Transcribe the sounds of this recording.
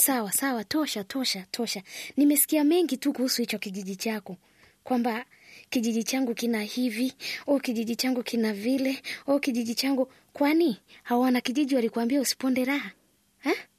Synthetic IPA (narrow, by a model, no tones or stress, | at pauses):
sawasawatɔʃatʰɔʃatʰɔʃanimɛsi̥kiamɛŋɡitukuhusuhit͡ʃɔkiʄiʄit͡ʃakɔ | kwamba | kiʄiʄit͡ʃaŋɡukinahiviɔkiʄiʄit͡ʃaŋɡukʰinavilɛɔkiʄiʄit͡ʃaŋɡu | kwanihawanakiʄiʄiwalikuambiausi̥pɔndɛɾaha | ɛ